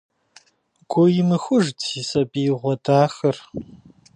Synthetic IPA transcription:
ɡ̥ʷʊjɪmɨxʷʊʒtʰisɐbiːʁʷɔdaːxɐr

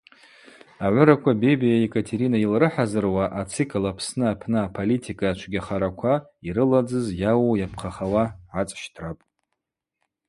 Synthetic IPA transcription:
aʕʷʊɾakʷʰabebijajekʼatʰeɾinailrɨħazɨrwaʔat͡sʰɨkʰlapʰsnɨapʰnɨapʰolitʰikʼaat͡ʃʷʰɡʲaχaɾakʷʰaiɾɨlad͡zɨzjawojapʰχʰaχawaʕat͡sʼʃtʰrapʼ

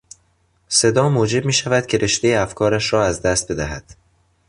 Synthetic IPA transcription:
se̞d̪ɒːmoːd͡ʒe̞b̚miːʃævæd̪̥̚cʰe̞ɾʔe̞ʃd̪e̞jeæfkʰɒːɾæʃɾɒːæzd̪æst̪̚be̞d̪æɦæd̪̥

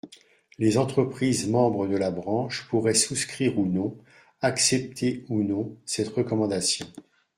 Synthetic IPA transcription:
lezɑ̃t̪χəpχizmɑ̃bʁəd̪əlabʁɑ̃ʃpuʁɛsuskχiʁunɔ̃ | aksɛp̚t̪ʰeunɔ̃sɛt̪ʁəkɔmɑ̃d̪asjɔ̃

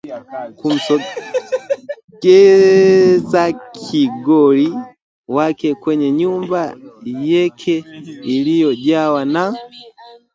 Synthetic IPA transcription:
kum̩sɔ | ɡɛ | zakʰiɡɔli | wakɛkwɛɲɛɲumbajɛkʰɛilijɔʄawana

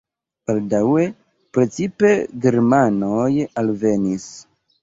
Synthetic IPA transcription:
b̥aldawe̞ | pɾe̞t͡sipe̞ɡe̞ɾmanojalve̞nis

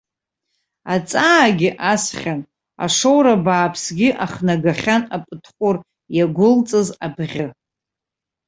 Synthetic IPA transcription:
at͡sʼaɡʲɪʔasχʲan | a̰ʂowɾabaːpʰsɡʲɪʔaχnaɡaχʲanapʼɨtʰχʷʼʊr | jaɡʷʊlt͡sʼɨzabʁʲɪ

